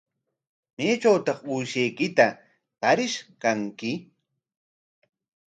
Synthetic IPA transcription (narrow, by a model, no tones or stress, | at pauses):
neːt͡ʃawt̪ɑχʊjʃejkɪt̪a | t̪aɾɪʃkaŋkɪ